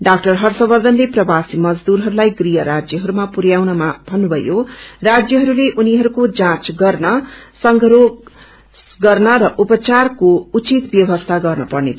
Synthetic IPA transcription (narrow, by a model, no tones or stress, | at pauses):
ɖak̚ʈʌrɦʌrsʌbʌrd̪ʱʌnleprʌbasimʌd͡zd̪uɾɦʌɾulajɡrijʌɾad͡zjʌɦʌɾumapuɾjawnʌmabʱʌnːubʱʌjorad͡zjʌɦʌɾuleʔuniɦʌɾukod͡zãt͡sɡʌrnʌsʌŋɡʱʌɾo | sɡʌrnʌɾʌʔupʌt͡sarkout͡sit̪bjʌbʌst̪ʰaɡʌrnʌpʌrnḛt͡sʰ